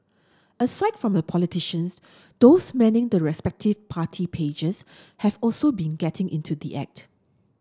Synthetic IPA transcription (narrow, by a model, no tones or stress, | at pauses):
əsaɪtfɹɔ̃mdəpʰɔlitiʃə̃ns | d̪̥osmɛ̃nɪ̃ŋdəɹɛspɛk̚tʰɪvpʰatʰipʰed͡ʒəs | hɛvɔlsobĩnɡɛtʰɪ̃ŋʔɪ̰̃ntʰud̪ḭʔɛ̰k̚t